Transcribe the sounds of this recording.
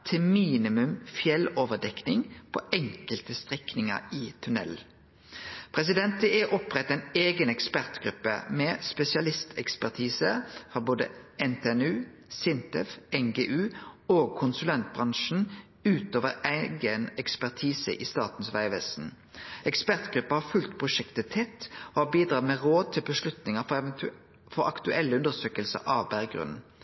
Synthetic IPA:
t̪ʰɪmiːnɪmʉmfjɛloːʋəd̪ɛknɪŋpʰo̰ːɛŋkəlt̪əst̪ʁɪknɪŋə̰iːt̪ʰʉnɛ̰l | pʰʁɛs̬ɪd̪ɛnt̪əɛʔɔpʁɛt̪ːæɪneːɡənɛkspæʁt̪ɡʁʉpːə̰mɛːspɛsɪɑlɪst̪ʰɛkspæʁt̪ʰiːsəfʁɔboːd̪ə̰ɛnt̪ʰeːɛnʉː | sɪnt̪ɛfɛŋɡeːʔʉːoːɡ̚kʰʊnsʉlɛnt̪̚bʁɑŋʃn̩ | ʉːt̪oːʋəɾæɪɡənɛkspæʁt̪ʰiːsə̰ʔiːst̪ɑːt̪n̩sʋæɪʋɛsn̩ | ɛkspæʁt̪ɡʁʉpːəhɑfʉlt̪pʰʁʊʂɛkt̪ət̪ʰɛt̪ːoːhɑbiːd̪ʁɑːʁmeːʁoːd̪̚t̪ʰɪlbəslʉt̪nɪŋə | fɔɾɑ̰kt̪ʉʔɛlːəʉnd̪əsøːkəlsə̰ɾɑʋbæʁɡʁʉ̰nn̩

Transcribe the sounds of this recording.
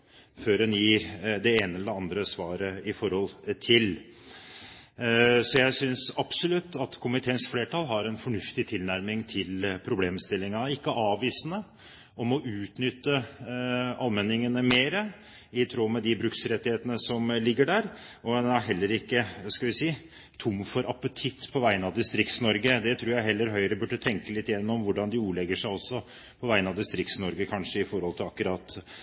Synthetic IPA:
føːɾdɛnjiːɾd̪ɛeːnəɛlːəɾɑnd̪ɾəsʋɑːɾəɪfɔɾhɔlt̪ʰɪl | sɔjæɪsʏnsɑpsʊlʉt̪ːɑt̪kʰʊmɪt̪ʰeːənsfleːʈʰɑlɦɑɾɛnfɔɳʉft̪ɪt̪ʰɪlnæɾmɪŋt̪ʰɪlpʰɾʊbleːmst̪ɪlːɪŋɑɪkːəʔɑːʋʋiːsənə | ɔmɔʔʉːt̪nʏt̪ːə | ɑlmɛnːɪŋənəmeːɾə | ɪt̪ʰɾoːmɛd̪ɪbɾʉksɾɛt̪ːɪheːt̪ənəsɔmlɪɡːəɖæɾ | ɔɛnæɦɛlːəɾɪkːəskɑʋɪsiː | t̪ʰʊmːfɔɾɑpːət̪ʰɪt̪ːpʰɔʋæɪənɑʋd̪ɪst̪ɾɪkt̪snɔɾɡəd̪ɛt̪ʰɾuːjæɪɦɛlːəɾɦœʏɾəbʉɖːət̪ʰɛŋkəlɪt̪ːɪjɛnːɔmʋʊɖɑnd̪ɪuːlɛɡəʂæɪɔsːɔ | pʰɔʋæɪənɑʋd̪ɪst̪ɾɪk̚t̪snɔɾɡəkʰɑnʂəɪfɔɾhɔlt̪ʰɪlɑkːʉɾɑːt̪

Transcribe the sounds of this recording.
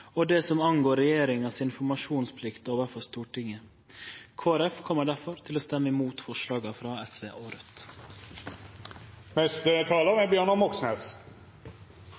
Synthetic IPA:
ɔd̪ɛsɔmɑŋɡoːɾɛjeːɾɪŋɑsɪnfɔɾmɑʃuːnspʰlɪkt̪oːʋəɾfɔst̪uːʈʰɪŋə | kʰoːæɾɛfkʰɔmːəɖæɾfɔɾt̪ʰɪloːst̪ɛmːəɪmuːt̪fɔʂlɑːɡɑfɾɑːɛsʋeːʔoːɾət̪ | mɛst̪ət̪ʰɑːlamɛbjøːɳɔmɔksnɛs

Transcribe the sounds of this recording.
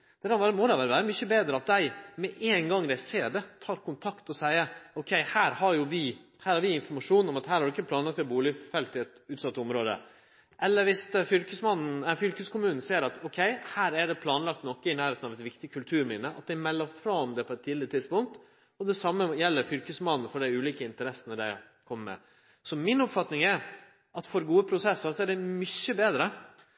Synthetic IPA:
d̪̥ɛkɑʋæːɾəmɔd̪ɛæʋæːɾəʋæːɾəmʏçəbeːd̪ɾəɑt̪̚d̪æɪmɛʔeːnɡɑŋːd̪æɪseːɖɛt̪ʰɑːɾkʊnt̪ʰɑkt̪ɔsæɪəɔkʰɛɪhæːɾhɑɾjʊʋɪ | hæːɾhɑɾʋɪɪnfɔɾmɑʂuːnɔmɑt̪hæːɾhɑɖʊɪkːəpʰlɑːnlɑkt̪æbuːlɪfɛlt̪ɪɛt̪ʉːt̪sɑt̪ːəɔmɾoːd̪ə̰ | ʔɛlːəɾʋɪst̪fʏlkəsmɑnn̩ɛəɾfʏlkəskʊmʉːnn̩seːɾɑt̪ʰɔkʰɛɪhæːɾæɖɛpʰlɑːnlɑk̚t̪nɔkːəɪnæːɾheːt̪nɑʋɛt̪ʋɪkt̪ɪkʰʉlt̪ʰʉːɾmiːnəɑ̰t̪̚d̪ɪmɛlːəɾfɾɑmd̪ɛpʰɔɛt̪ʰːɪd̪ɪɾət̪ʰɪd̪spʊŋk̚t̪ | ɔd̪ɛsɑmːəjɛlːəɾfʏlkəsmɑnn̩fɔɖæɪʉːliːkəɪnt̪əɾɛsːənəɖæɪ | kʰɔmːəmɛ̰ | sɔmɪnɔpfɑt̪nɪŋæɾ | ʔɑt̪fɔɾɡuːəpʰɾʊsɛsːəɾsɔæɖɛmʏçːəbeːd̪ɾə

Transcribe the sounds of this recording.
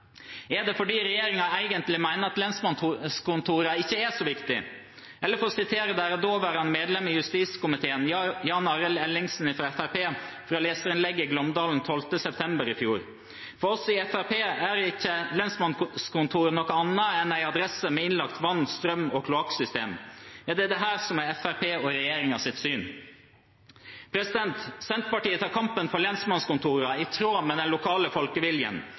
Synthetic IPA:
ɛd̪ɛfɔɖiːɾɛjeːɾɪŋɑæɪɡənt̪lɪmæɪnəɾɑt̪lɛnsmɑnskʊnt̪ʰuːɾɑɪçːəæʂɔʋɪkt̪ɪ | ʔɛlːəɾfɔɾɔsɪt̪ʰeːɾəd̪æɾɔd̪oːʋæːɾhɑnmeːd̪lɛmɪjʉst̪iːskʊmɪt̪ʰeːənjɑːnɑɾəlɛlːɪŋsn̩ɪfɾɑɛfæɾpeːfɾɑːleːsəɾɪnlɛɡːəɪɡlɔmd̪ɑːln̩t̪ʰɔlt̪əsɛpt̪ʰɛmbəɾɪfjuːɾ | fɔɾɔsɔɪɛfæɾpeːæɾɪkːəlɛnsmɑnskʊnt̪ʰuːɾnɔkːɔɑnːəɛnæɪɑd̪ɾɛsəmɛɪnlɑkt̪ʋɑnːst̪ɾœmːɔkʰlʊɑksʏst̪eːmjɑːd̪ɛd̪ɛɦæːɾsɔmɛɛfæɾpʰeːɔɾɛjeːɾɪŋɑsɪt̪syːn | pʰɾɛsɪd̪ɛnt̪sɛnt̪pɑʈiːət̪ʰɑːkʰɑmpənpʰɔlɛnsmɑnskʊnt̪ʰuːɾɑɪt̪ʰɾoːmɛd̪ɛnlʊkʰɑːləfɔlkəʋɪljə̰n

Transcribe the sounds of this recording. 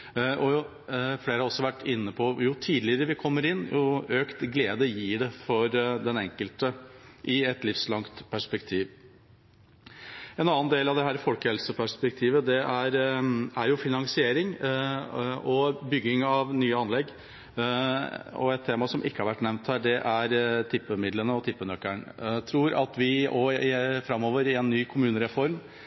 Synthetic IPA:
ʔɔ | fleːɾəhɑɾɔsːɔʋæʈːɪnːəpʰɔjʊt̪ʰiːd̪lɪəɾəʋɪkʰɔmːəɾɪnːjʊøːkt̪ɡleːd̪əjiːɖɛfɔɾd̪ɛnɛŋkəlt̪əʔɪɛt̪lɪfslɑŋt̪pʰæʂpɛkt̪ʰiːʋ | ɛnɑːənd̪eːlɑʋd̪ɛɦæːɾəfɔlkəhɛlsəpʰæʂpɛk̚t̪ʰiːʋəd̪ɛʔæɾæɾjʊfɪnɑŋsɪeːɾɪŋ | ɔbʏɡːɪŋɑʋnyːəɑnlɛɡ | ɔ̰ɛt̪ʰːeːmɑsɔmʔɪkːəhɑɾʋæʈːnɛʋnt̪hæːɖɛʔæɾt̪ʰɪpːəmɪd̪lənəɔt̪ʰɪpːənœkːəɳt̪ʰɾuːɾɑ̰t̪ʋɪʔɔfɾɑmːoːʋəɾɪɛnːyːkʰʊmʉːnəɾɛfɔɾm

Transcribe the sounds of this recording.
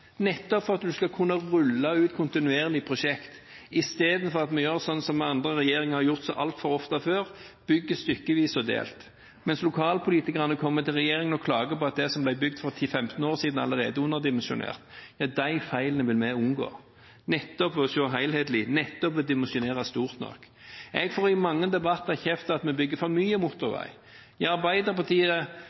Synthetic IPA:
nɛt̪ːɔpfɔɾɑt̪d̪ʉskɑkʰʉnːɑʁʉlːɑʉːt̪kʰʊnt̪ɪnʉeːɾəlɪpʰɾʊʃɛkt̪ɪst̪eːd̪n̩fɔɾɑt̪mɛjøɾsɔnːsɔmɑnd̪ɾəɾɛjeːɾɪŋhɑɾjʊʁt̪sɔʔɑlt̪fɔɾɔft̪ɑføːʁb̥ʏɡːəst̪ʏkːəʋiːsɔd̪ḛːlt̪ | mɛnslʊkʰɑːlpʰʊliːt̪ɪkəʁɑnəkʰɔmːət̪ʰɪlʁɛjeːɾɪŋənɔkʰlɑːɡəpɔɑt̪̚d̪ɛsɔmblæɪbʏɡ̚d̪fɔt̪ʰifɛmt̪n̩oːɾsiːd̪n̩ɑ̰ləɾeːd̪əʊnːəʁd̪ɪmɛnsʊ̰nḛːʁt̪jɑːd̪æɪfæɪlənəʋɪlmɛʊnɡo̰ː | nɛt̪ːɔpʋɔsɔɦæɪlheːd̪lɪnɛt̪ːɔpʋɛd̪ɪmɛnsɪʊneːʁɑst̪uːʁt̪nɔ̰k | ɛɡfoːɾɪmɑŋːəd̪ɛbɑt̪ːɑçɛft̪əɑt̪mɛbʏɡːəfɔɾmyːəmʊt̪ːʊɾʋæ̰ɪ | jæɑɾbæɪd̪əʁpɑt̪ʰiːə

